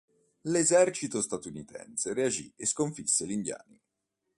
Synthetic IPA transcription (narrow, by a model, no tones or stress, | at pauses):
lezɛrt͡ʃit̪ost̪at̪unit̪ɛ̰nseɾead͡ʒḭeskoɱfisːelind̪ja̰ːni